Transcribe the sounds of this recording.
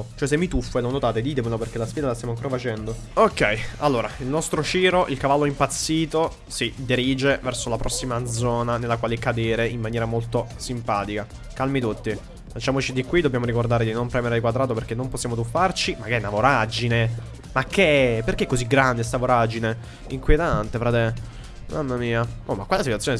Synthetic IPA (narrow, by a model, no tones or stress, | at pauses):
t͡ʃoɛs̬emːit̪ufːoelonot̪aːt̪ed̪iːt̪emeloperk̟elasfid̪alast̪jamaŋkoɾafat͡ʃɛnd̪o | okːɛjalːoːɾailnɔst̪ɾot͡ʃiːɾoʔilkavalːoimpat̪sːiːt̪o | sid̪iɾiːd͡ʒevɛrsolapɾʔɔsːimad̪zɔːnanelːakwaːlekad̪eːɾeimːanjɛːɾamolt̪osimpaːt̪ika | kalmit̪ut̪ːi | fat͡ʃːaːmot͡ʃid̪ikwid̪objamoɾikord̪aːɾed̪inompɾɛmeɾed̪ikwad̪ɾaːt̪operk̟enːomposːjaːmot̪ufːart͡ʃimakːɛnavoɾad͡ʒine | makːeperkeɛkːoziɡːɾand̪es̬t̪avoɾad͡ʒine | iŋkwjet̪ant̪efɾaːt̪e | mamːamiːaomakwalesit̪wat̪sːjone